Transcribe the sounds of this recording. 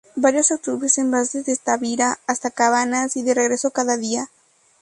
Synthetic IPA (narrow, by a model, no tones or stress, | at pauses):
baɾjo̞sak̚t̪uβɾesembasezðest̪aβiɾaːst̪akaβanasiðereɣɾe̞sokaðaðia